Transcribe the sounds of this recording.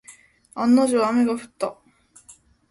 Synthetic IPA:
anːaʑoːmeɡaɸɯ̟̥t̪ːa

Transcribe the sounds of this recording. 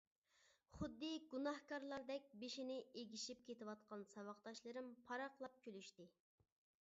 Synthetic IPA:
χʊd̪ːɨɡunɑhkʰɑɾlˠɑɾd̪ɛk̚ʲbeʃinɪeɡʲiʃip̚kʲet̪ɪwɑt̪̚qɑnsɑwɑqd̪ɑʃlˠɨɾɨmpʰɑɾɑqlˠɑp̚kʲʰølyʃt̪ɪ

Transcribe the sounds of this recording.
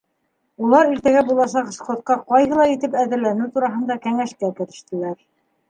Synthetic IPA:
ulˠɑɾiɾt̪æɡæbulˠɑʃɑqɤ̆ʃqŏt̪̚qɑqɑjɦɤ̆lˠɑit̪ɘpæðɘ̆ɾlænɘwt̪uɾɑɦɤ̆nd̪ɑkæŋæʃkækɘ̆ɾɘ̆ʃt̪ɘ̆læɾ

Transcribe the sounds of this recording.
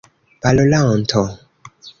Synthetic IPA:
b̥alolaɔntʰɔ

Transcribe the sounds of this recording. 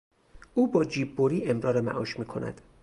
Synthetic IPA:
ʔuːbɒːd͡ʒiːbːoɾiːʔe̞mɾɒːɾemæ̰ʔɒːʃmiːkʰo̞̰nʔæ̰d̪̥

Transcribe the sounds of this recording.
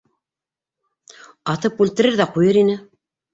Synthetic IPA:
ɑt̪ɤpʉlt̪ɘ̆ɾɘɾðæqujɤɾinɘ

